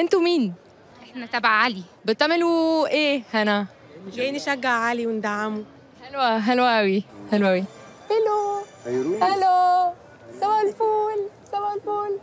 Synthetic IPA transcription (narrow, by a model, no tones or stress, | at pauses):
ʔent̪umiːn | ʔeħnæt̪æbaʕʕalibet̪ˤːɑmelwʔeːhænæ | ɡeːneʃæɡːaʕʕaːliwend̪aʕamu | hælwæɦælwæʔæwihælwæʔæwi | ʔelo | ʔælo | sæbælfuːlsæbælfuːl